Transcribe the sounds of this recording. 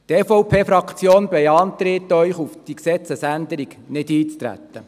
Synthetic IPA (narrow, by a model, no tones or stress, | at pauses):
t̪ɛfɔwpʰeːfɾɑkʰt͡sjoːnbɛjɑnt̪ɾɪt̪œʏχufd̥iksɛt͡səsænd̪əɾiɡ̥ | nɪd̥iːt͡st̪ɾæ̰t̪ːə